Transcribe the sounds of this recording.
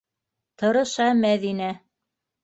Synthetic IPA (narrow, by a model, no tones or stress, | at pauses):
t̪ɤ̆ɾɤ̆ʃɑmæðinæ